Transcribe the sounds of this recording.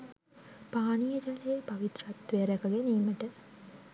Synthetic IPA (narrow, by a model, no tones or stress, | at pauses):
paːnijəd͡ʒaleepɐʋit̪rat̪ʋeəɾɛkəɡeniːməʈə